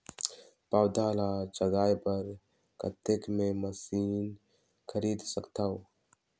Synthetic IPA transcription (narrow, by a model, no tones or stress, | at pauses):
pawd̪aːlad͡ʒəɡaːjpəɾ | kə̰t̪ːekmẽməsiːn | kʰəɾiːd̪səkt̪ao